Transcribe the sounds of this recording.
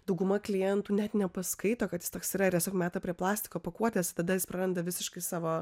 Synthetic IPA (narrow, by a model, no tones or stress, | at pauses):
d̪ɐʊɡʊmɐklʲɪjɛnt̪uːnʲɛt̪nʲɛpɐskɐɪt̪oːkɐt̪jɪ̥st̪oːksiːɾɐɪɾrt̪ʲɛsʲoːkmʲæːt̪ɐpʲɾʲiɛplˠɑːsʲt̪ʲɪ̥koːpɐkuɔt̪ʲɛːst̪ɐd̪ɐjɪspɾɐɾɐnd̪ɐʋʲɪsʲɪʃkɐɪsɑːʋoː